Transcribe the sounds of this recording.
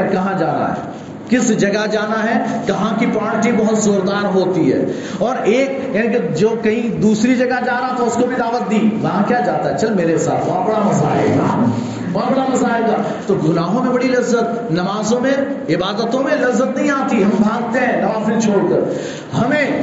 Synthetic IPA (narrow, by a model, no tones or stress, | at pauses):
kɐɦãd͡ʒaːɾa̰ɦɛ̰ | kɪsd͡ʒɐɡad͡ʒaːnaɦɛkɐɦãkipaːɳʈibɐɦʊt̪zoːɾd̪aːɾɦoːt̪iɦɛ̰ː | ɔːɾeːk | jenĩked͡ʒoːkɐɦĩd̪uːsɾid͡ʒɐɡad͡ʒaːɾaat̪oʊskobʱid̪aːʋət̪̚d̪iːʋɐɦãkjaːd͡ʒaːt̪aɦɛt͡ʃɐlmeːɾesa̰ːt̪ʰʋãːbɐɽamɐza̰ːɪlɡa̰ː | ʋaːbɐɽamɐzaːɪlɡa̰ː | t̪oɡʊnaːɦõmẽbɐɽilɐzət̪̚ | nɐmaːzõmẽ | ɪbaːd̪ət̪õmẽlɐbzːət̪nɐɦĩaːt̪iɦɐmbʱãːɡt̪eɦɛ̃nɐmaːzɪlt͡ʃʰoːɽkɐɾ | hɐmẽ